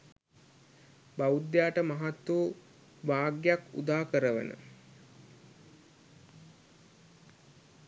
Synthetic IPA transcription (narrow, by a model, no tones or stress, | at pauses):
baud̪jaːʈəmaɦat̪ːu | ʋaːɡjakṵd̪aːkəɾəʋə̰nə̰